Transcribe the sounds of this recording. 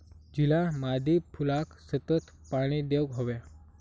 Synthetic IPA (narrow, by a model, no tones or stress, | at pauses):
d͡ʑilamad̪ʱipʰulaksət̪ət̪ | paɽ̃id̪ewɦoʋja